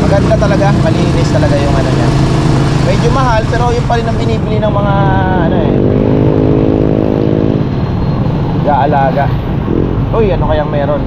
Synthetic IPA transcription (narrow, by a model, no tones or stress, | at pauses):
mɐɡɐd̪nɐt̪ɐlɐɡamɐliːlɪnɪst̪ɐlɐɡajʊŋɐnoɲa | mɛd͡ʒomɐɦalpɛːɾo̞jʊnpɐɾɪnːɐŋbɪniːbɪlinɐŋmɐŋa | ʔɐnoʔɛn | ɡaʔɐlaːɡɐ | ʔojʔɐnokɐjaŋmɛːɾo̞n